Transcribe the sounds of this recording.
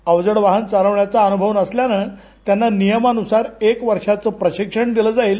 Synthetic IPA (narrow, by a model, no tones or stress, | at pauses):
əʋd͡zəɽʋaɦənt͡saɾəʋɳjat͡saənubʱəʋnəsljanə | t̪janːanijəmanusaɾekʋəɾʂat͡səːpɾəɕikʂəɳd̪iləd͡zaiːl